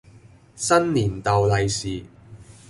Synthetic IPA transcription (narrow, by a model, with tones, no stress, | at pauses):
sɐ˥nliː˨˩nt̪ɐ˨wlɐ˨˧jsiː˨